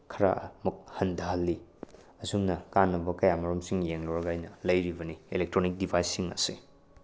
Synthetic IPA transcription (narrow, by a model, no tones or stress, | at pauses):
kʰɐɾa̰muk̚hɐndaɦɐlːi | ɐsumnɐkanːɐbɐkɐjamɐɾumsiŋjeŋloɾɐɡajnɐlɐjɾibɐnielek̚tɾonik̚dipʰajsːiŋɐ̰sḛ